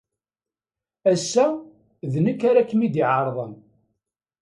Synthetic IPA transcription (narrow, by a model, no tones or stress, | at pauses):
æsːæ | ðnəkːaɾakːəmid̪iʕəɾˤðˤən